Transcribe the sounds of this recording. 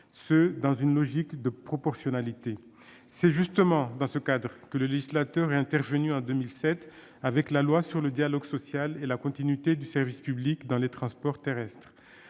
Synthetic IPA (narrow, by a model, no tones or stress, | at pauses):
səd̪ɑ̃zynlɔʒikd̪əpχɔpɔʁsjɔnalit̪e | sɛʒyst̪əmɑ̃d̪ɑ̃səkad̪ʁkələleʒislat̪œʁɛɛ̃t̪ɛʁvənyɑ̃d̪ømilsɛt̪ | avɛklalwasyʁləd̪jalɔɡsɔsjalelakɔ̃t̪inɥit̪ed̪ysɛʁvispyblikd̪ɑ̃let̪χɑ̃spɔʁt̪eʁɛst̪χ